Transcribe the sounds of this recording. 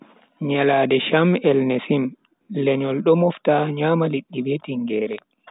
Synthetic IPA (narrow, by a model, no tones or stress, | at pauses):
ɲalaːdɛʃamɛlnesim | lɛɲɔlɗɔmɔftaɲaːmaliɗːibetiŋɡɛːɾɛ